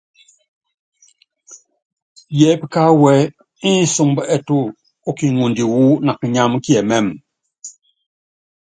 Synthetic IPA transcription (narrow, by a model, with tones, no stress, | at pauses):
jɛ˨˦pi˦˨ka˦wɛ˨˦ | i˦n̩˦su˦ŋbə˦ʔɛ˨tu˦ | o˦ki˨ŋu˨ndi˨wu˦na˨kə˨ɲa˦m˦kjɛ˨mɛ˦˨m